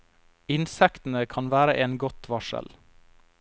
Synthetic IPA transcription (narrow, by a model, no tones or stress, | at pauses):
ɪnsɛkt̪n̩əkʰɑnʋæːɾəʔeːnɡɔt̪ʋɑʃə̰l